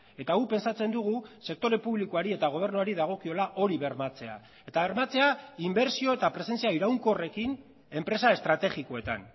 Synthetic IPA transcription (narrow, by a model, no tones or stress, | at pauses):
e̞t̪aɣupe̞nsat͡se̞nd̪uɣ̞use̞k̚t̪o̞ɾe̞puβlikoaɾie̞t̪aɣ̞o̞β̞e̞ɾnuaɾiðaɣ̞o̞kio̞laʔo̞ɾiβe̞ɾmat͡se̞a̰ | e̞t̪aβe̞ɾmat͡se̞aimbe̞ɾsio̞e̞t̪apɾe̞se̞nt͡siaiɾawŋko̞re̞kin | e̞mpɾe̞sae̞st̪ɾat̪e̞ɣiko̞e̞t̪a̰n